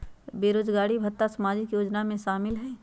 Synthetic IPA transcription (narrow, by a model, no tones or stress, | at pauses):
beːɾoːd͡ʒɡaːɽibʱət̪ːasɐmaːd͡ʒɪkjoːd͡ʒnamẽʃaːmɪlɦɛː